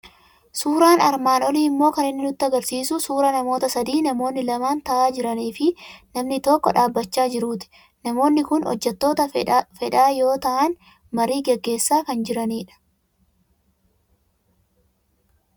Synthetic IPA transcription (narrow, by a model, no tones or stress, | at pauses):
suːɾaːnɐɾmaːnɔliːɪmːo̞ːkɐnɪnːɪnʊt̪ːɐɡɐɾsiːsʊsuːɾɐnɐmo̞ːt̪ɐsɐd̪iːnɐmo̞ːnːɪlɐmaːnt̪ɐʔaːd͡ʒɪɾɐniːfɪnɐmnɪt̪oːkːɔᶑaːbːɐt͡ʃːaːd͡ʒɪɾuːt̪ɪ̥ | nɐmo̞ːnːɪkʊnɔ̰d͡ʒːɛt̪ːo̞ːt̪ɐfɛᶑaːjo̞ːt̪ɐʔɐn | mɐɾiːɡɛɡːe̞ːsːaːkɐnd͡ʒɪɾɐniːᶑɐ̥